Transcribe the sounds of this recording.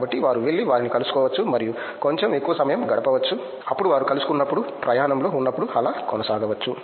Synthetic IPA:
bɐʈːiʋaːɾuʋe̞ɭːiʋaːɾinikɐlusu̥kɔːʋɐt͡ʃːumɐɾiju | ko̞ɲt͡ʃeme̞kːuʋɐsɐmɐjɐmɡɐɽɐpɐʋɐt͡ʃːu | ɐpːuɽuʋaːɾukɐlusu̥kunːɐpːuɽupɾɐjaːnɐmlo̞ːunːɐpːuɽuɐlaːkɔnɐsaːɡɐʋɐt͡ʃːu

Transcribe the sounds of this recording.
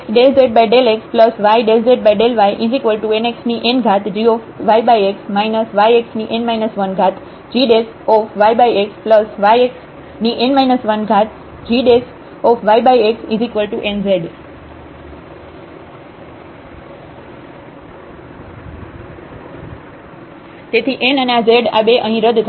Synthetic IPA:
ɖelzeɖbajɖelekspləsʋajɖelzeɖ̚bajɖelʋajʔɪzikʋəlʈueneksniʔenɡʱat̪d͡ʒiɔfʋajbajeksmaɪnəsʋajeksniʔenmaɪnəsʋənɡʱat̪ | d͡ʒiːɖes | ɔfʋajbajekspləsʋajeks | niʔenmaɪnəsʋənɡʱat̪̚ʰ | d͡ʒiɖes | ɔfʰʋajbajeksizikʋəlʈuʔenzeɖ | t̪et̪ʰiʔenəneazeɖa̰beʔəɦĩɾəd̪t̪ʰ

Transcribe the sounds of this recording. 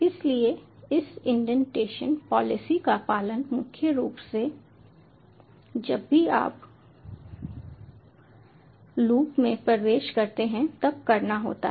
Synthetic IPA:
ɪslieɪsɪ̃ɳɖənʈeːʃə̰npɔːlɪsikapaːlənmʊkʰjəɾuːpse | d͡ʒɐbːia̰ːp | luːpmẽpɾɐʋeːʃkɐɾt̪eɦɛ̃t̪ɐb̚kɐɾnaɦo̰ːt̪a̰

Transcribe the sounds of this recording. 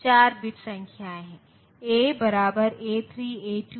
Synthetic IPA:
t͡ʃaːɾbɪʈsɐ̃ŋkʰjaːɦɛ̃ | eːbɐɾaːbəɾeːt̪ʰɾiːeːʈu

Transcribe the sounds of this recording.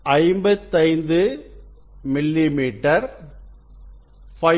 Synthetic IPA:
ɐɪmbɐt̪ːɐɪnd̪ɯ | mɪlːimiːʈːɐɾ | fɐ

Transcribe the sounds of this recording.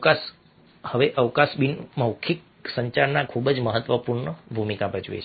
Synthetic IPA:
əkas | həʋeʔəʋkasbinməwkʰik̚ | səɲt͡ʃaɾnakʰubəd͡ʒməɦət̪ʋəpuɾɳəbʱumikabəd͡ʒṵjḛt͡ʃʰe

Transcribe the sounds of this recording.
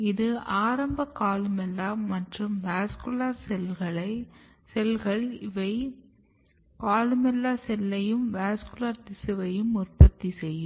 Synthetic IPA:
ɪðɯaːɾɐmbɐkaːlɯmɛlːaːmɐʈrɯmʋaːskɯlaːɾsɛlɣɐɭɐɪ | sɛlɣɐɭɪʋɐɪ | kaːlɯmɛlːaːsɛlːɐjɯmʋaːskʊlaːɾt̪ɪsɪʋɐjɯmʊrpɐt̪ːisɛjːɯm

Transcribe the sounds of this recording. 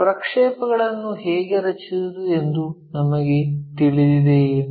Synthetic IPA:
pɾɐkʂɛːpɐɣɐɭɐnːuɦeːɡeɾɐt͡ʃisɐd̪uend̪u | nɐmɐɡe̞t̪iɭid̪id̪e

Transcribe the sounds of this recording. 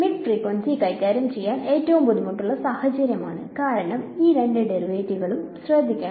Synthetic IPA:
miɖfriːkʋɐnsikɐjkʲːaːɾjɐmt͡ɕe̞jːaːne̞ːtːɐʋumpoðumɐʈːuɭːɐsaːhɐt͡ɕɐɾjɐmaːɳɨkaːɾɐɳɐmiːɾeɳɖeɖerʋeːtːiɣɐɭumɕrɐd̪ʱːikʲːaː

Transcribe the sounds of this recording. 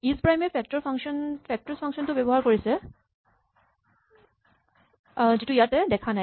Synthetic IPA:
ispɹajmɛpʰɛk̚tɔɹpʰaŋsɔnpʰɛk̚tɔɹspʰaŋksɔntʊbɛbɔɦaɹkoɹisɛ | zitʊijatɛdɛkʰana

